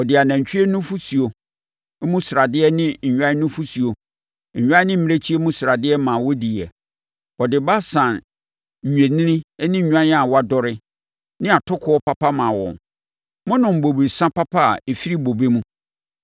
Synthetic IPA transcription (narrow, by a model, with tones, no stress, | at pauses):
ɔ˨dɪ˨a˨nã˨ɲ̩˨t͡ɕᶣɪ˦ɾɛ˦nʊ̃˦fu˦si˨o˨˦ | mũ˦sɾa˨dɪ˦ɛ˦nɪ̃˦ɲ̩˨ɲᶣ˦ã˦nʊ̃˦fu˦si˨o˨ | ɲᶣ˦ã˦nɪ̃˦m̩˦m˦e˦t͡ɕʰi˦e˦mũ˦sɾa˨dɪ˦ɛ˦mã˨wɔ˦di˨ɛ˨ | ɔ˨dɪ˨ba˦sã˨n̩˨ | ɲᶣẽ˨nĩ˦nɪ̃˦nɪ̃˦˨ɲᶣã˦a˨wa˦dɔ˦ɾɪ˦ | nɪ̃˦a˨tʰʊ˦kʰʊ˦ɔ˦pʰa˦pʰa˦mã˨wɔ̰̃˨n | mʊ̃˦nʊ̃˨m̩˨bo˨be˨sã˦pʰa˦pʰa̰˦˨e˨fi˦ɾi˦bo˨be˦mũ˦